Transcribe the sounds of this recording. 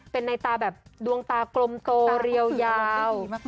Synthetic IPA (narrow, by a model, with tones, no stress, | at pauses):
pe˧nːa˧jt̪aː˧bɛː˨˩p̚du˧əŋt̪aː˧klo˧mt̪oː˧ɾi˧əwjaː˧w